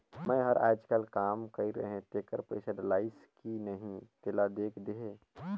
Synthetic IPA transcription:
mə̃ɦəɾʔa̰ːd͡ʒkəlkaːmkɐiɾə̰ɦẽʈ̪eːkəɾpə̰ɪsəɖ̪laːɪskinɐɦĩt̪elad̪eːkʰd̪eɦe

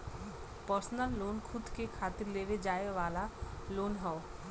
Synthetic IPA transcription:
pəɾsnəlːoːnkʰʊd̪kekʰaːt̪ɪɾleːʋed͡ʒaːeʋaːlaloːnɦɛo

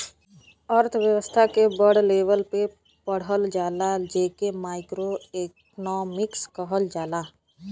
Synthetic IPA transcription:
əɾt̪ʰʋjəwəst̪ʰakebəɽleːʋəlpe | pəɽ̤əld͡ʒaːlad͡ʒeːkemaːɪkɾoeːk | nɔːmɪkskəɦəld͡ʒaːlaː

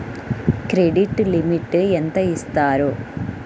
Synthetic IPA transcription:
kɾeɖiʈːɨlimiʈːɨent̪ɐjist̪aːɾoː

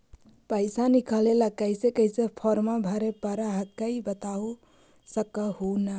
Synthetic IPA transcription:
pəɪsanikəleləkəjsekəjsepʰɔɾmabʱəɾepəɾaɦəkːəibət̪au | səkəɦonə

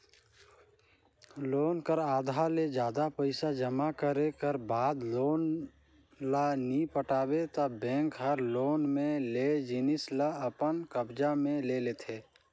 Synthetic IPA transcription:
loːnkəɾaːd̪ʱaled͡ʒjaːd̪apəɪsad͡ʒəmakəɾekəɾbaːd̪loːn | lanipəʈaːbet̪abɛ̃ːŋkɦəɾloːnmẽled͡ʒɪnɪslaəpənkəbd͡ʒamẽleleːt̪ʰeː

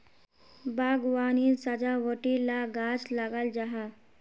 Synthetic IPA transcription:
baɡʋanisad͡ʒaʋəʈilaɡaslaɡald͡ʒaɦa

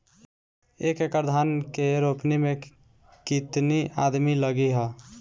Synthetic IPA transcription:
ekekəɾd̪ʱankeɾopnimẽ | kit̪nia̰d̪miləɡiɦə

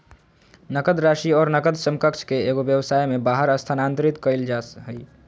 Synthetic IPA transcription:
nəkəd̪ɾaʃiɔːɾnəkəd̪səmkəkt͡ʃʰkeeɡobjəʋsajmebaɦəɾəst̪ʰanant̪ɾit̪kəɪld͡ʒasɦəj

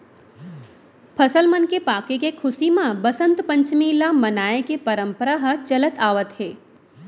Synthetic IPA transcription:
pʰɐsəlmənkepaːkekekʰʊsimãbəsə̃nt̪pə̃ɲt͡ʃmiːlamɐnaːekepəɾə̃mpəɾaɦət͡ʃɐlət̪aːʋət̪ɦeː

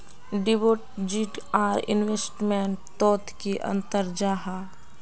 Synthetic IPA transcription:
ɖiboːʈd͡ʒiʈaːɾɪ̰nʋesʈmeɳʈ̚t̪oːt̪kiʔə̰̃nt̪əɾd͡ʒaːɦa

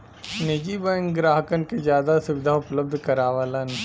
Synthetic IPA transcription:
neːd͡ʒibə̃ŋɡɾaːɦəkənkezjaːd̪asʊʋɪd̪ʱaʊpləb̚d̪ʱkɐɾaːʋaːlanɐɦ

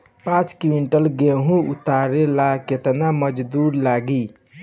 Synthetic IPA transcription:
pãt͡ʃkiwinʈəlɡeɦũut̪aɾelaket̪naməd͡ʒd̪uɾlaɡi

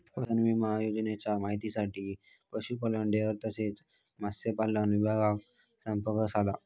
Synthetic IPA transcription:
pəsənʋiməɦajod͡ʑnjat͡ɕjamaɦit̪isaʈiː | pəɕupələɳɖeəɾt̪əset͡s | masepalanʋibʱaɡak | səmpəkəsala

